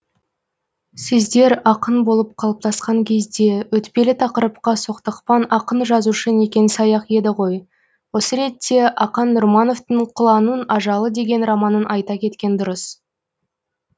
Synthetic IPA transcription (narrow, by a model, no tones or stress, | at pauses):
sɪzd̪e̞ɾɑqənbo̞lˠəp̚qʰɑlˠəp̚t̪ʰɑsqɑŋkʲʰe̞zd̪e̞wɵt̪pʲe̞lɪt̪ʰɑqəɾəp̚qɑso̞qt̪ɑqpɑnɑqənʒɑzuʃəne̞kʲe̞nɪsɑjɑqe̞d̪ɪʁo̞j | wo̞səɾe̞t̪ːe̞ʔɑqɑnːʊɾmɑno̞ft̪əɴqʰʊlˠɑnənɑʒɑlˠəd̪e̞ɡʲe̞nrɑmɑnənʔɑjt̪ɑkʲʰe̞t̪kʲe̞nd̪ʊɾəs